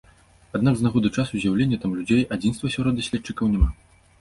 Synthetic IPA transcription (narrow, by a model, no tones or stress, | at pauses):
ad̪naɡznaɣɔd̪ɨt͡ʂasuzʲjawlʲenʲːɐt̪amlʲud͡zʲejʔad͡zʲinst̪vɐsʲɔɾɔd̪asʲlʲɛt̪t͡ʂɨkɐwnʲɛma